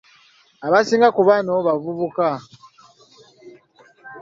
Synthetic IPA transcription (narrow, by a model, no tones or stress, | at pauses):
aβasiːŋɡakuβanoβavuβuka